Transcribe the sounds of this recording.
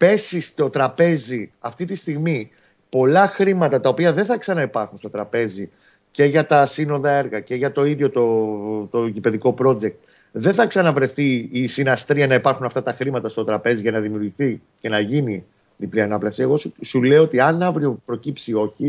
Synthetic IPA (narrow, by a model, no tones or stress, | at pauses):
pe̞sist̪o̞t̪ɾɐpe̞ziɐft̪it̪ist̪iɣmi | po̞lɐxɾimɐt̪ɐt̪ɐo̞piɐðe̞nθɐksɐnɐipɐɾxunst̪o̞t̪ɾɐpe̞zi | ce̞ʝɐt̪ɐsino̞ðɐe̞ɾɣɐce̞ʝɐt̪o̞iðʝo̞t̪ot̪oʝipe̞ðiko̞pɾo̞d͡ze̞k̚t̪ | ðe̞nθɐksɐnɐvɾe̞θiːsinɐst̪ɾiɐnɐipɐɾxunɐft̪ɐt̪ɐxɾimɐt̪ɐst̪o̞t̪ɾɐpe̞ziʝɐnɐðimiuɾʝiθi | ce̞nɐʝini | mipliɐnɐplɐsie̞ɣo̞susule̞oot̪iɐnɐvɾio̞pɾo̞cipsio̞çi